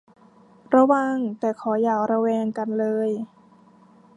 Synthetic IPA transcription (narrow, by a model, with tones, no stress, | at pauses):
ɾa˧waː˧ŋt̪ɛː˨˩kʰɔː˩˦jaː˧˩kɾa˧wɛː˧ŋka˧nlɤː˧j